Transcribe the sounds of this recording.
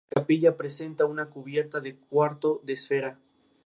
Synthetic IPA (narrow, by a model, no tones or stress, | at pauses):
kapiʝapɾe̞se̞nt̪aunakuβje̞ɾt̪aðek̚waɾt̪oðe̞sfe̞ɾa